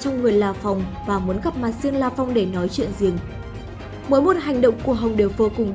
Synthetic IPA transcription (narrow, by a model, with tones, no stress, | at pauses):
t͡ɕɔ˧wŋ͡mŋɨ˨˩əjlaː˨˩fa˨˩wŋ͡mvaː˨˩mu˨˦ənɣa˦˥p̚maː˨˩t̚si˧ənlaː˨˧˩fɔ˧wŋ͡mɗe˧˩nɔ˨˦jt͡ɕwḭ˧˨ənzi˨˩əŋ | məː˨˦jmo˨˩t̚ɦa˨˩jŋ̟ɗə̰˧˨wŋ͡mku˧˩əɦə˨˩wŋ͡mɗe˨˩wvoː˨˧˩kʊ˨˩ŋ͡mɗ